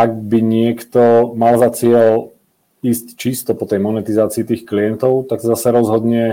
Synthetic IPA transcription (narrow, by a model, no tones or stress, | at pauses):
aɡ̚biɲɪɛkt̪ɔmalzat͡sɪɛl | iːsct͡ʃist̪ɔpɔt̪ɛjmɔnɛt̪izaːt͡siːt̪iːxkliɛnt̪ɔʊt̪aksɔzasɛɾɔzɦɔd̪ɲɛ